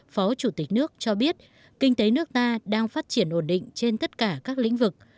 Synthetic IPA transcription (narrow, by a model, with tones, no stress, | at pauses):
fɔ˨˦t͡ɕu˧˩t̪ï̟˨˩nɨ˦˥ək̚t͡ɕɔ˧ɓi˦˥ət̚ | kï˧ŋ̟t̪e˨˦nɨ˦˥ək̚t̪aː˧ɗaː˧ŋfaː˦˥t̚t͡ɕi˧˩ənʔo˧˩nɗḭ˧˨ŋ̟t͡ɕe˧nt̪ə˦˥t̚kaː˧˩kaː˦˥k̚lḭ˧˥ŋ̟vɨ˨˩k̚